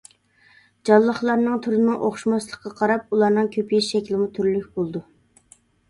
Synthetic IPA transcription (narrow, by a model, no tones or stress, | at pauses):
d͡ʒɑlˠːəχlˠɑɾnɨŋt̪ʰyɾɪnɨŋʔo̰χʃmɑslˠəχqːɑqʰɑɾɑp̚ulˠɑɾnɨŋkʲʰøpʰjiʃʃɛkʲlɪmut̪ʰyɾlykʲbolˠd̪u